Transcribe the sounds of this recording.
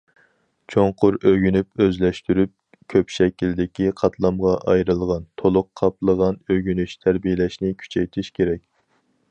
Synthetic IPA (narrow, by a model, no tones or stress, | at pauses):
t͡ʃʰoŋqʰʊɾøɡʲynypøzlɛʃt̪yɾyp̚ | kʲʰøpʃɛkʲild̪ɪkʲiqʰɑt̪ʰlˠɑmʁɑʔɑjɾɨlˠʁɑnt̪ʰolˠʊqʰːɑplˠəʁɑnøɡʲynyʃt̪ʰæɾbijɪlɛʃnɪkʲʰy̥t͡ʃʰɛjt̪ʰɪʃkʲʰeɾɛkʲ